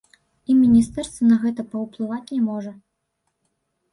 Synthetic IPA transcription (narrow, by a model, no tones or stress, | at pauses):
imʲinʲist̪ɛrst̪vɐnɐɣɛt̪ɐpɐwplˠɨvat͡sʲnʲɛmɔʐɐ